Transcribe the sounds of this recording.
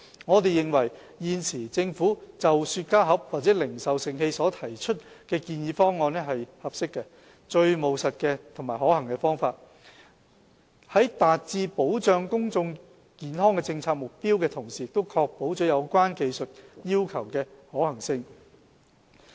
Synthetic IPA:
ŋɔː˨˧t̪e˨jɪ˨ŋwɐ˨˩j | jiː˨˧nsʰiː˨˩t͡sɪ˧ŋfuː˨˥t͡sɐ˨wsyː˧t̚kaː˥ɦɐ˨˥p̚waː˨t̚t͡sɛ˨˥lɪ˨˩ŋsɐ˨wsɪ˨ŋhe˧jsɔː˨˥t̪ʰɐ˨˩jt͡ʃʰɵ˥t̚kɛː˧kiː˧njiː˨˧fɔː˥ŋːɔː˧nɛ˥ɦɐ˨jhɐ˨p̚sɪ˥kːɛ˧ | t͡ʃɵ˧ɥmo˨˩wsɐ˨t̚kɛː˧t̪ʰʊ˨˩ŋmaː˨˩jhɔː˨˥hɐ˨˩ŋkɛ˧fɔː˥ŋfaː˧t̚ | hɐ˨˥jt̪aː˨t̚t͡siː˧po˨˥wt͡ʃœː˧ŋkʊ˥ŋt͡sʊ˧ŋ | kiː˨nɦɔː˥ŋkɛ˧t͡sɪ˧ŋt͡sʰaː˧k̚mʊ˨k̚piː˥wkɛː˧t̪ʰʊ˨˩ŋsiː˨˩jɪ˨k̚t̪o˥wkʰɔː˧k̚po˨˥wt͡ʃɔː˨˥jɐ˨˧wkʷaː˥nke˨˧jsɵ˨t̚jiː˥wkʰɐ˨˩wkɛː˧hɔː˨˥hɐ˨˩ŋsɪ˧ŋ

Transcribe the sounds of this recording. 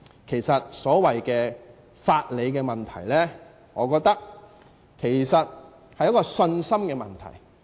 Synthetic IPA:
kʰe˨˩jsɐ˨t̚sɔː˨˥wɐ˨jkɛː˧ | faː˧t̚le˨˧jkɛː˧mɐ˨nt̪ʰɐ̰˨˩jlɛː˥ | ŋɔː˨˧kɔː˧k̚t̪ɐ˥k̚ | kʰe˨˩jsɐ˨t̚ | hɐ˨jɐ˥t̚kɔː˧sɵ˧nsɐ˥mkɛː˧mɐ̰˨nt̪ʰɐ̰˨˩j

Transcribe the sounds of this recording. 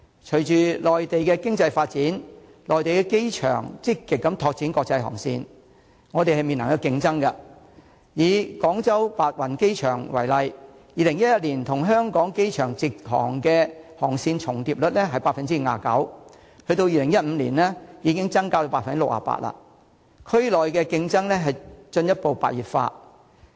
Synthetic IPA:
t͡ʃʰɵ˨˩ɥt͡ʃyː˨lɔː˨jt̪e˨jkɛː˧kɪ˥ŋt͡sɐ˧jfaː˧t̚t͡siː˨˥n | lɔː˨jt̪e˨jkɛː˧ke˥jt͡ʃʰœ̰ː˨˩ŋt͡sɪ˥kːɪ˨kːɐ˨˦mt̪ʰɔː˧k̚t͡siː˨˥nkɔː˧k̚t͡sɐ˧jɦɔ̰˨˩ŋsḭː˧n | ŋɔ˨˧t̪e˨jɦɐ˨jmi˨nɐ˨˩ŋkɐ˧wkɪ˧ŋt͡sɐ˥ŋkɐ˧ | jiː˨˥kɔː˨˥ŋt͡sɐ˥wpaː˧t̚wɐ˨˩nke˥jt͡ʃʰœː˨˩ŋwɐ˨˩jlɐ˨j | jiː˨lɪ˨˩ŋjɐ˥t̚jɐ˥t̚liː˨˩nt̪ʰʊ˨˩ŋɦœː˥ŋkɔː˨˥ŋke˥jt͡ʃʰœː˨˩ŋt͡siː˨k̚hɔ̰ː˨˩ŋkɛː˧hɔː˨˩ŋsiː˧nt͡ʃʰʊ˨˩ŋt̪iː˨p̚lɵ˨t̚lɛ˥ɦɐ˨jpaː˧t̚fɐ˨nt͡siː˥ŋ̩˨˧ŋa̰ː˨˩kɐ̰˨˥w | hɵ˧ɥt̪o˧wjiː˨lɪ˨˩ŋjɐ˥t̚m̩˨˧liː˨˩nlɛ˥jiː˨˧kɪ˥ŋt͡sɐ˥ŋkaː˧t̪o˧wpaː˧˨fɐ˨nt͡si˥lʊ˨k̚ʔa̰ː˨˧˩pa̰ː˧t̚la̰ː˧ | kʰɵ˥ɥlɔː˨jkɛː˧kɪ˧ŋt͡sɐ˥ŋlɛ˥ɦɐ˨jt͡ʃɵ˧njɐ˥t̚po˨wpa̰ː˨t̚jiː˨˩p̚fa̰ː˧t

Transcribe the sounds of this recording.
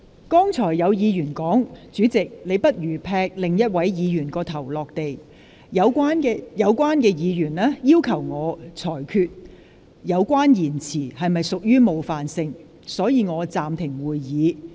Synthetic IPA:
kɔː˥ŋt͡sʰɔː˨˩jːɐ˨˧wjiː˨˧jyː˨˩nkɔː˨˥ŋt͡syː˨˥t͡sɪ˨k̚le˨˧jpɐ˥t̚jyː˨˩pʰɛː˧k̚lɪ˨ŋjɐ˥t̚wɐ˨˥jjiː˨˧jyː˨˩nkɔː˧t̪ʰɐ˨˩wlɔː˨k̚t̪e˨j | jɐ˨˧wːn˧jɐ˨˧wkwaː˥nkɛː˧jiː˨˧jyː˨˩nlɛː˥jiː˥wkʰɐ˨˩wŋɔː˨˧t͡sʰɔː˨˩jkʰyː˧t̚ | jɐ˨˧wkʷaː˥njiː˨˩nt͡sʰiː˨˩hɐ˨jmɐ˨jsʊ˨k̚jyː˥mo˨˧wfaː˨nsɪ˧ŋ | sɔː˨˥jiː˨˧ŋɔː˨˧t͡saː˨mt̪ʰɪ˨˩ŋwuː˨˧jːiː˨˧

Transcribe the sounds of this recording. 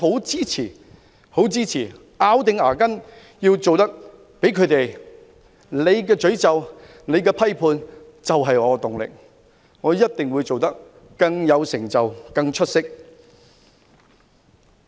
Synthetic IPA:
ɦo˨˥wt͡siː˥t͡sʰiː˨˩ | ho˨˥wt͡siː˥t͡sʰiː˨˩ | aː˨˥wt̪̬ɪ˨ŋaː˨˩kɐ˥n | jiː˧wt͡so˨wt̪ɐ˥k̚ | pe˨˥jkʰɵ˨˧ɥt̪e˨j | le˨˧jkɛː˧t͡ʃɵ˨˥ɥt͡sɐ˨w | ne˨˧jkɛː˧pʰɐ˥jpʰuː˧n | t͡sɐ˨wɦɐ˨jŋɔː˨˧t̪ʊ˨ŋlɪ̰˨k̚ | ŋɔː˨˧jɐ˥t̚t̪ɪ˨ŋwuː˨˧jt͡so˨wt̪ɐ˥k̚ː | ɐ˧ŋjɐ˨˧wsɪ˨˩ŋt͡sɐ˨wkɐ˧ŋt͡ʃʰɵ˥t̚sɪ˥k̚

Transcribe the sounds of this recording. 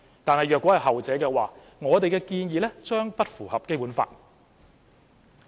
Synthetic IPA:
t̪aː˨nhɐ˨jɥœː˨kɔ˨˥hɐ˨jɦɐ˨wt͡sɛː˨˥kɛː˧waː˨ | ŋɔː˨˧t̪e˨jkɛː˧kiː˧njiː˨˧lɛː˥t͡ʃœː˥ŋpɐ˥t̚fuː˨˩hɐ˨p̚ke˥jpuː˨˥nfa̰ː˧t̚

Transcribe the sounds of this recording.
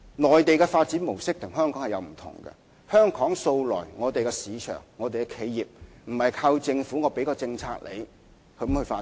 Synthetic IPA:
lɔː˨jt̪e˨jkɛː˧faː˧t̚t͡siː˨˥nmo˨˩wsɪ˥k̚t̪ʰʊ˨˩ŋɦœː˥ŋkʰɔː˨˥hɐ˨jɐ̰˨˧wm̩˨˩t̪ʰʊ̰˨˩ŋkɛ̰˧ | hœː˥ŋkʰɔː˨˥ŋso˧wlɔ̰ː˨˩jŋɔː˨˧t̪e˨jkɛ˧siː˨˧t͡ʃʰœ̰ː˨˩ŋːɔː˨˧t̪e˨jkɛ˧kʰe˨˥jjiː˨p̚m̩˨˩hɐ˨jkʰaː˧wt͡sɪ˧ŋfu˨˥ŋɔː˨˧pe˨˥jkɔː˧t͡sɪ˧ŋt͡sʰaː˧k̚lḛ˨˧j | hɵ˧m̩˨˥hɵ˧faː˧

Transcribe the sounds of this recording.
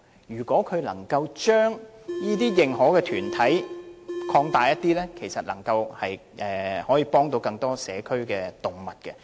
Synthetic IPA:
jyː˨˩kɔː˨˥kʰɵ˨˧ɥlɐ˨˩ŋkɐ˧wt͡ʃœː˥ŋjiː˥t̪iː˥jɪ˨˩ŋɦɔː˨˥kɛː˧t̪ʰyː˨˩nt̪ʰɐ˨˥jkʰɔː˧ŋt̪aː˨˩jɐ˥t̚t̪iː˥lɛː˥kʰe˨˩jsɐ˨t̚lɐ̰˨˩ŋkɐ˧whɐ˨j | ʔɛː˨hɔː˨˥jiː˨˧pɔː˥ŋt̪o˧wkɐ˧ŋt̪ɔː˥sɛː˨˥kʰɵ˥ɥkɛː˧t̪ʊ˨˩ŋmɐ˨t̚kɛ˧

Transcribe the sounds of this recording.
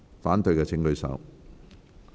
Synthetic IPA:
faː˨˥nt̪ɵ˧ɥkɛː˧t͡sʰɪ˧ŋlɵ˧ɥsɐ̰˨˥w

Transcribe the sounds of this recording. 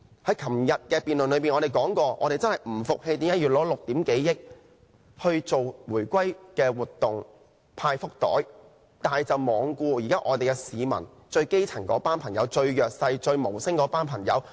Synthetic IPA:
hɐ˨˥jkʰɐ˨˩mjɐ˨t̚kɛː˧piː˨nlɵ˨nlɵ˨˧˥piː˨nɔː˨˧e˨jkɔː˨˥ŋkɔː˧ʔɔ̰ː˧ɾe˨jt͡sɐ˥nhɐ˨˩jm̩˨˩fʊ˨k̚he˧jt̪iː˨˥mjɐ˥jyː˨˩t̚lɔː˨˧˥lʊ˨k̚t̪iː˨˥mke˨˥jjɪ˥k̚ | hɵ˧ɥt͡so˨wwuː˨˩jkʷɐ˥jkɛː˧wuː˨˩tt̪ːʊ˨ŋ | pʰaː˧jfʊ˥k̚t̪ɔ̰ː˨˥j | t̪aː˨nt͡sɐ˨wmɔː˨˧ŋkuː˧jiː˨˩kaː˥ʔɔː˨˧t̪e˨jɡɛ˧siː˨˧mɐ̰˨˩n | t͡ʃɵ˧ɥke˥jt͡sʰɐ˨˩ŋkɔː˨˥paː˥npʰɐ˨˩ŋjɐ˨˧wt͡ʃɵ˧ɥjœː˨k̚sɐ˧jt͡ʃɵ˧ɥmo˨˩wsɪ˥ŋkɔː˨˥paː˥npʰɐ˨˩ŋjɐ̰˨˧w

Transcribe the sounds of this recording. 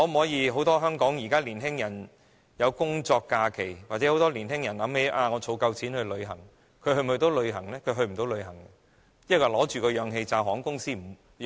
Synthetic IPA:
ŋɔ˨˧m̩˨˩hɔː˨˥jiː˨˧ɦo˨˥wt̪ɔː˥ɦœː˥ŋkɔː˨˥ŋjiː˨˩kaː˥liː˨˩nɦɪ˥ŋjɐ˨˩n | jɐ˨˧wkʊ˥ŋt͡sɔː˧kːaː˧kʰe˨˩jwaː˨t͡sɛ˨˥ho˨˥wt̪ɔː˥liː˨˩nɪ˥ŋjɐ˨˩nlɐ˨˧˥mhe˨˧jʔaː˧ŋɔː˨˧t͡sʰo˨˧wkɐ˧wt͡sʰiː˨˥nhɵ˧ɥlɵ˨˧ɥɦɐ˨˩ŋ | kʰɵ˨˧ɥɦɵ˧m˩˨ɵ˧t̪o˨˧wlɵ˨˧ɥɦɐ˨˩ŋlɛː˥kʰɵ˨˧ɥɦɵ˧ɥm̩˨˩t̪o˨˧wlɵ˨˧ɥɦɐ˨˩ŋ˧ | jkːɔ˨˩lɔː˨˥t͡ʃyː˨˩kɔː˧jœː˨˧ŋɦe˧jt͡saː˧ɦɔː˨˥ŋkʊ˥ŋsiː˥m̩˨˩

